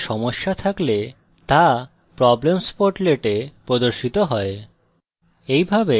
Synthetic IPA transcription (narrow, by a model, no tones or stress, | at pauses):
ʃɔmoʃːat̪ʰakle | t̪a | pɾɔblemspoɾʈleʈepɾod̪oɾʃit̪oɦɔe | ejbʱabe